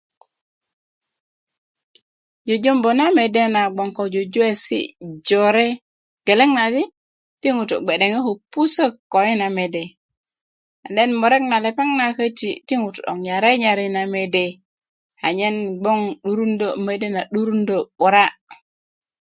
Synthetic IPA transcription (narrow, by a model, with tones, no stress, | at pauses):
d͡ʒo˨d͡ʒo˦mbo˨na˦me˨de˦na˨ɡ͡bo˨ŋko˨d͡ʒo˨d͡ʒu˦e˦sḭ˦d͡ʒo˨ɾe˦ | ɡ̥e˨le˦ŋna˨di˦ | ti˦ŋu˨to̰˨ɡ͡be˨ɗe˨ŋe˦ho˨pːu˦sə˦kːo˨i˦na˨me˨de˨ | a˨de˦nmo˨ɾe˦k̚na˨le˨pa˦ŋna˨kə˦tḭ˨ti˦ŋu˨tu˨ɗo̰˨ŋɲa˨ɾe˦ɲa˨ɾi˦na˨me˨de˨ | a̰˨ɲe˦nɡ͡bo˦ŋɗu˦ɾu˦ndo˦˨me˨de˦na˨ɗu˦ɾu˦ndo˨ɓu˨ɾa˦